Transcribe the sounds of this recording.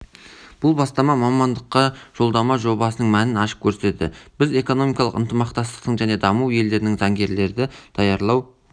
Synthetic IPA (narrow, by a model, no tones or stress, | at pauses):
b̥ʊlˠbɑst̪ɑmɑmɑmɑnd̪əqːɑʒ̥o̞lˠd̪ɑmɑʒo̞bɑsənəɴmænɪnɑʃə̥p̚kʲʰɵɾse̞t̪ɪ̰b̥ɪze̞ko̞no̞mijkɑlˠə̰qə̰nt̪əmɑqt̪ɑst̪ə̥q̚t̪əɴʒæne̞d̪ɑmuwje̞ld̪e̞ɾɪnɪŋzɑŋɡʲe̞ɾle̞ɾd̪ɪd̪̥ɑjɑɾlˠɑw